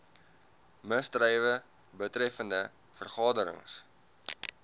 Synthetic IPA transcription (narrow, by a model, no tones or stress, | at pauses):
məstrɛjvə | bətrɛfəndə | fərχɑːdəɾə̰ŋs